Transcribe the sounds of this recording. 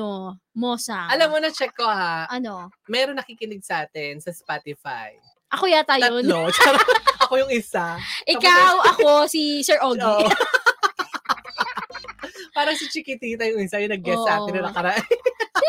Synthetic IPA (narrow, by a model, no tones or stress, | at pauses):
omoːsɐʔɐlɐmːonɐt͡ʃɛkːohaʔɐnomɛɾonɐkiːkɪnɪɡ̚sɐʔaːt̪ɛnsɐspat̪ɪfa̰j | ʔɐkojat̪ɐj̪ɐolot͡ʃɛːɾɐʔɐkojʊŋɪsaʔɪkawɐkosisɛɹʔoɡoːʔ | paːɾɐŋsit͡ʃɪkɪt̪iːt̪ɐjʊŋɪsajʊnɐɡ̚ɡɛsːʔaːt̪ɪnːɐnɐkɐɾɐʔa